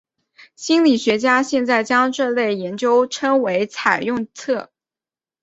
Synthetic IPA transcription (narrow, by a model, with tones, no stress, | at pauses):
ɕi˥nli˨˩ɕɥɛ˧˥t͡ɕja˥ɕjɛ˥˧nt͡sa˥˩ɪt͡ɕjɑ˥ŋʈ͡ʂɤ˥˧le˥˩ɪjɛ˧˥nt͡ɕjo˥ʊʈ͡ʂʰɤ˥ŋwe˧˥ɪt͡sʰa˨˩ɪjʊ˥˧ŋt͡sʰɤ˥˩